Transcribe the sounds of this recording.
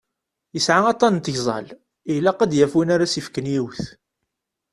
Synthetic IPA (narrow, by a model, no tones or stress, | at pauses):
jəsʕaɑt̪ˤːɑnt̪ːçzˤɑ̰l | ilːæqæd̪jæfinaɾasifkənjiwθ